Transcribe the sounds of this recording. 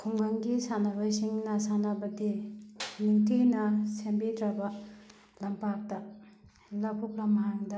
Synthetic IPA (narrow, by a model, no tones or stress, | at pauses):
kʰoŋɡaŋɡisanabaɕiŋnasanabat̪eniŋt̪ʰinasʰembeːʈ͡ʂapa | lampak̚t̪a | lapʰop̚lamajaŋd̪a